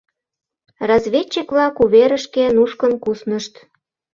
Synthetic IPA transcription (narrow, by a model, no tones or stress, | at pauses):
rɑzβʲet͡ɕːikβlɑkuβeɾə̆ʃkenuʃkənkusnəʃt̪